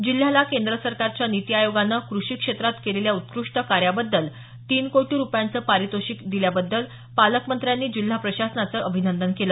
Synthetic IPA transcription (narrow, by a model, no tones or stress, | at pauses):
d͡ʑil̤alakend̪ɾəsəɾkaɾt͡ɕjanit̪iajoɡanːəkɾuʂiːkʂet̪ɾat̪keleljaut̪kɾuʂʈəkaɾjabəd̪ːəl | t̪iːnkoʈiːɾupjant͡səːpaɾit̪oɕiːkd̪iljabəd̪ːəl | paləkmənt̪ɾjanːiːd͡ʑil̤ːapɾəɕasənat͡səʔəbʱinənd̪ənkelə